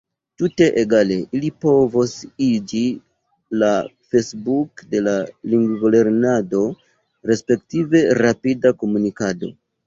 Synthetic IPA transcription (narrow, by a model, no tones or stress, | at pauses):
tute̞ʔeɡale̞ilipo̞vosid͡ʒi | la | fesbukde̞laliŋɡɡole̞ɾnado̞ | ɾe̞spe̞ktive̞ɾapidako̞munikado̞̰